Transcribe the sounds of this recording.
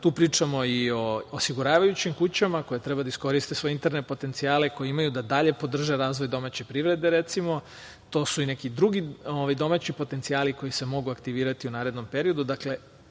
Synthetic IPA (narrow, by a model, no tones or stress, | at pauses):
t̪uːpɾiːt͡ʃamo̞io̞osiɡuɾaːʋajut͡ɕimkut͡ɕamako̞jet̪ɾe̞bad̪aisko̞ɾist̪esʋo̞eint̪eɾne̞po̞t̪e̞nt̪siaːle̞ko̞jeimajud̪ad̪aʎe̞po̞d̪r̩ʒe̞ɾaːzʋojd̪o̞mat͡ɕe̞pɾiʋɾe̞d̪e̞ɾe̞t̪simo̞ | t̪o̞ːsuine̞kid̪ɾuɡioʋajd̪o̞mat͡ɕipo̞t̪e̞nt̪siaːliko̞jise̞mo̞ɡuakt̪iʋiːɾat̪iunaːɾed̪no̞mpe̞ɾio̞d̪ud̪akle̞